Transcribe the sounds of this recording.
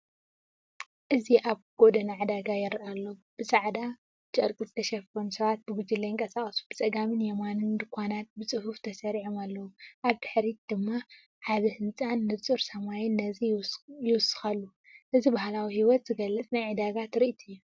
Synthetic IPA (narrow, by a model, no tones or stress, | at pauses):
ʔɨziʔaβɡ̥od̪ɐnaʕad̪aɡajɛɾʔalːo̞b̥ɨsʼaʕd̪a | t͡ʃʼɐ̰ɾkʼizɨt̪ʰɐʃɐfonsɐβat̪̚bɨɡud͡ʒilːɐjɪŋkʼɐsaχʼɐsu̥b̥ɨt͡sʼɐɡamɨnjɛmanɨnd̪ɨkʷʰːanat̪̚bɨt͡sʼɨhuft̪ʰɐsɐɾiʕomalːɐwuʔaβt̪ɨħɾit̪̚d̪̥ɨmːa | ʕaβɨhɨnt͡sʼanːɨt͡sʼɨɾsɐmajɪnːɐzijɪwʊsɨ̥xalːu | ʔɨzibahlawihiwɔt̪z̥ɨɡɐlːɨt͡sʼnajʕɨd̪aɡat̪ɾiʔt̪ʰɨjːu